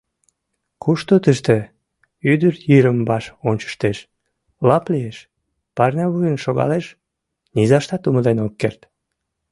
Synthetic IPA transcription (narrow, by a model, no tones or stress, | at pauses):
kuʃt̪ot̪əʃt̪e | yd̪ərjiɾəmbɑʃonʲt͡ɕə̥ʃt̪eʃ | lɑplieʃ | pɑrnʲɑβujənʃoɣɑ̰leʃ | nizɑʃt̪ɑt̪uməd̪enokːert̪